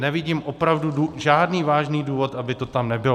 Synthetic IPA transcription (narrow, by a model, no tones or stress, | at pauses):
nɛvɪɟiːmʔopɾavduduʒaːdniːvaːʒniːduːvo̞t̪ʔabɪt̪ot̪amnɛbɪl